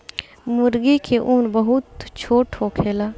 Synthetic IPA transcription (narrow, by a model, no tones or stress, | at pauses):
mʊɾɡikʰeʔʊːnbəɦʊt̪t͡ʃʰoːʈɦoːkʰeːlaː